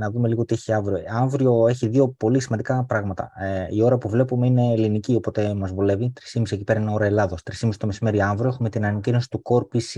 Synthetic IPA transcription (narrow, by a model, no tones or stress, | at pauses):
nɐðume̞liɣot̪ieçiɐɱvɾioɐɱvɾio̞e̞çiðio̞po̞lisimɐnd̪ikɐpɾɐɣmɐt̪ɐ̰io̞ɾɐpuvle̞pume̞ine̞ːlinicio̞po̞t̪e̞mɐzvole̞vit̪ɾisimisie̞ci̥pe̞ɾɐineo̞ɾɐe̞lɐðost̪ɾisimisi̥t̪o̞me̞sime̞ɾiɐɱvɾio̞e̞xume̞t̪inɐnɐcino̞si̥t̪uko̞ɾpis